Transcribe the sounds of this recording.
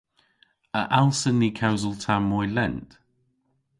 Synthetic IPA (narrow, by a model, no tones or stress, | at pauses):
əʔalˠsəniːkʰaʊzəlˠtʰamːɔɪlɛ̃nt